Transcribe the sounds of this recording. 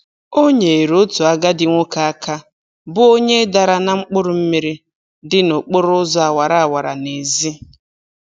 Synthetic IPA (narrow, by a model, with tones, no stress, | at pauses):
o˦ɲe˨e˨ɾʊ˦tu˨a˦ɡa˦dɪ˨ŋʷo˦ka˨a˦ka˦ | bʊ˦o˦ɲe˦da˨ɾa˨na˨ŋ͡m̩˦k͡pʊ˦ɾʊ˨m̩˦mi˦ɾi˦ | dɪ˦nʊ˨k͡pʊ˦ɾʊ˦zɔ˦a˨wa˨ɾa˨a˨wa˨ɾa̰˨ne˨zi˦